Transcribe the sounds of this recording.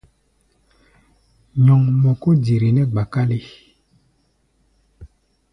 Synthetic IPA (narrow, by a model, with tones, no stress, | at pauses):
ɲɔ˨ŋmɔ˨ko˦di˨ɾi˨nɛ˦ɡ͡ba˨ka˦li˦